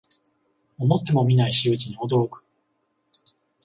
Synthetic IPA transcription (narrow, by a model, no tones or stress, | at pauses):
omo̞t̪ːe̞mo̞mʲinaiɕiɯ̟t͡ɕiɲ̟iod̪o̞ɾokɯ̥